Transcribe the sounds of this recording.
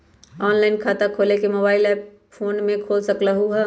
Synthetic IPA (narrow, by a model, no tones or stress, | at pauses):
ɔːnlaːɪnkʰaːt̪akʰoːlekemoːbaːɪlɛːp | foːnmẽkʰoːlsɐklaɦuɦɛ